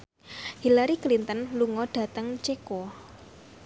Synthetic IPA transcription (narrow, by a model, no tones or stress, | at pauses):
hilaɾiklint̪ənluŋɔɖ̥ä̤t̪əŋt͡ʃeko